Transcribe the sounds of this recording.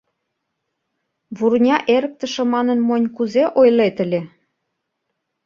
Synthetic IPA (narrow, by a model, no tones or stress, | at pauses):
βurnʲɑʔeɾə̆k̚t̪ə̆ʃĕmɑnə̆nmonʲkuzeʔojlet̪ə̆lʲe